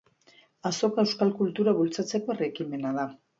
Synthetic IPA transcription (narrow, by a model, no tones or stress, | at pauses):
aso̞kaewskalkult̪uɾaβult͡sat͡se̞ko̞erekime̞naða